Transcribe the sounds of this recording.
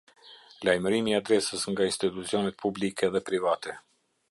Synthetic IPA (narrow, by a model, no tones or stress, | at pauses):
lajməɾimiad̪ɾɛsəsŋɡainst̪it̪ut͡siɔnɛt̪̚pʰublikʰɛðɛpɾivat̪ɛ